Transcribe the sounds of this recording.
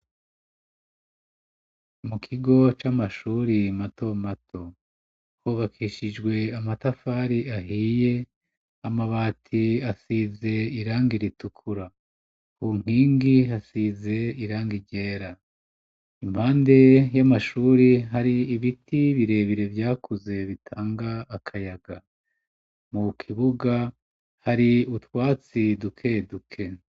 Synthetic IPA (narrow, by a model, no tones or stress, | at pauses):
mukʰiɡo̞t͡ʃamaʃuːɾimato̞matʰo̞ | kuːβakʰiʃid͡ʒɡwe̞amatafaːɾiaɦiːje̞ | amaβaːtʰiasize̞iɾaːŋɡiɾitukʰuɾa | kuŋ̥hiːŋɡiasize̞iɾaːŋɡiɟe̞ːɾa | imhaːnde̞jamaʃuːɾiɦaɾiːβitʰiβiɾe̞ːβiɾe̞vjaːkʰuze̞βitʰaːŋɡaːkʰajaɡa | mukʰiβuɡa | haɾiutwaːt͡sidukʰe̞dukʰe̞